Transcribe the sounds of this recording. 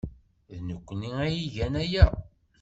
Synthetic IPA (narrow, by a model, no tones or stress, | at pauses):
ðnəkʷːniæjiʝænæjæ